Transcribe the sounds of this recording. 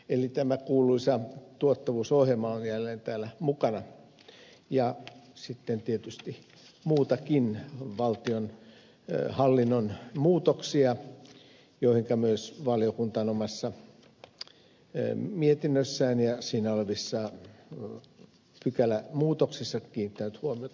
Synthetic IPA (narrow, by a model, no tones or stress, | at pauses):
elit̪æmækuːluisɑt̪uot̪ːɑʋuːsohjemɑlɑnjælːeːnt̪æːlæmukɑnɑ | jɑsit̪ːent̪iet̪yst̪i | muːt̪ɑkinʋɑlt̪ion | hɑlːinːonmuːt̪oksiɑ | joihiŋkæmyøsʋɑlijokunt̪ɑnomɑsːɑ | miet̪inːøsːæːnjɑsiːnæoleʋisːɑ | pykælæmuːt̪oksisːɑkiːnit̪ːænyt̪huomiot̪ɑ